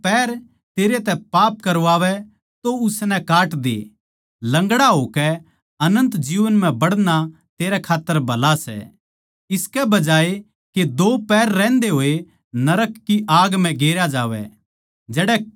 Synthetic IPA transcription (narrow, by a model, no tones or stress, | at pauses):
pɛːɾ | t̪eːɾet̪ɛpaːp̚kɐɾʋaːʋɛ | t̪oʊsnɛkaːʈd̪ḛː | lɐ̃ŋɡɽaɦoːkɛ | ɐnə̃nt̪d͡ʒiːʋənm̤ɛ̃bɐɽna | t̪eːɾɛkʰaːt̪ːəɾbʱɐlasɛ̰ | ɪskɛbɐd͡ʒaːe | ked̪oːpɛːɾːɛ̃ːnd̪eɦoːe | nɐɾəkːiʔaːɡm̤ɛ̃ɡeːɾjad͡ʒaːʋɛ̰ | d͡ʒɛːɽɛ